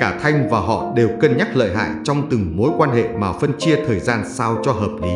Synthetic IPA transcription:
kaː˧˩t̪ʰa˧jŋ̟vaː˨˩ɦɔ̰˧˨ɗe˨˩wkə˨˧˩nɲa˦˥k̚lə̰ː˧˨jɦa̰ː˧˨jt͡ɕɔ˧wŋ͡mt̪ɨ˨˩ŋmo˨˦jkwaː˧nhḛ˧˨maː˨˩fə˧nt͡ɕi˧ət̪ʰəː˨˩jzaː˧nsaː˧wt͡ɕɔ˧ɦəː˨˩p̚li˨˦

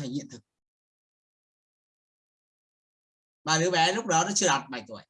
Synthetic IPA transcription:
a˨˧˩jɲḭ˧˨ənt̪ʰɨ˨˩k̚ | ɓaː˨˩ɗɨ˨˦ɓɛ˨˦lʊ˦˥k͡p̚ɗɔ˨˦nɔ˨˦t͡ɕɨ˧əɗɔ˨˩t̚ɓa˨˩jt̪u˧˩əj

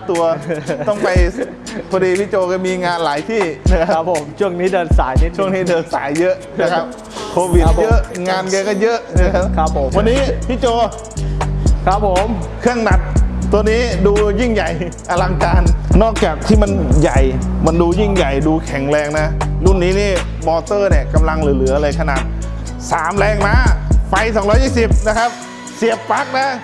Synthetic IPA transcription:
t̪u˧ɐɔ˥˩ŋpa˧j | pʰɔː˧diː˧pʰiː˦˥t͡ɕoː˧kɔː˧˥˩miː˧ŋaː˧nlaː˩˦jt̪ʰiː˥˩na˦˥kʰa˦˥˦pʰo˨˩˦mt͡ɕʰu˥˩əŋniː˦˥dɤː˧nsaː˩˦jt͡ɕʰu˥˩əŋniː˦˥dɤː˧nsa̰ː˩˦jːɤ˦˥ʔna˧kʰa˦˥p̚ | kʰoː˧wi˨˩t̚jʔŋaː˧nkaː˧kɔː˥˩jɤ˦˥ʔna˦˧kʰa˦˥p̚ʰpʰo˩˦mwa˧nːiː˦˥pʰiː˦˥t͡ɕoː˧ | kʰa˦˥pʰːo˨˩˦mkʰɯ˥˩əŋna˨˩t̪̚t̪ːu˧əniː˦˥duː˧ji˥˩ŋja˨˩j | ʔa˧la˧ŋkaː˧nːɔː˥˩k̚t͡ɕaː˨˩k̚t̪ʰiː˥˩ma˧nja˨˩jma˧nduː˧ji˥˩ŋja˨˩jduː˧kʰɛ˨˩˦ŋlɛː˧ŋna˦˥lu˥˩nːiː˦˥niː˧˥˩ | mɔː˧t̪ɤː˥˩ni˧˩əka˧mla˧ŋlɯ˨˩˦lɯː˨˩˦ɐ˧laː˧jkʰa˧na̰ː˨˩t̪̚saː˩˦mlɛː˧ŋmaː˧˥fa˧jsɔː˨˦ŋɾɔː˦˥jiː˥˩si˨˩p̚na˦˥kʰa˦˥p̚ | si˨˩əp̚ːa˦˥k̚na˦˥

